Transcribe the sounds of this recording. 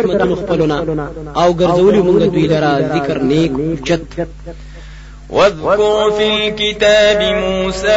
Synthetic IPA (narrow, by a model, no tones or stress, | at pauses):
ħmɐt̪unuxpɐlonaawɡɐɾzɐwəliməŋɡad̪wuilɐɾazɪkɐɾneːkud͡ʒɐt̪ː | waðkʊɾfilkɪt̪aːbɪmuːsa